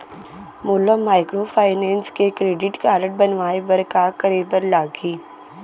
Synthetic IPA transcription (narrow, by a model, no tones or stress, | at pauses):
mʊːləmaːɪkɾoːpʰaːɪnẽːnskekɾeːɖɪʈkaːɾəʈ̚bɐnʋaːebɐɾkakəɾeːbəɾlaːɡiː